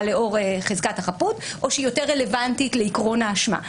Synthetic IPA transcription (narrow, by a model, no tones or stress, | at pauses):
leo̞ʁeχezkathaχaput | ʔo̞ʃeijo̞teʁːele̞vantitleikʁo̞naːʃma̰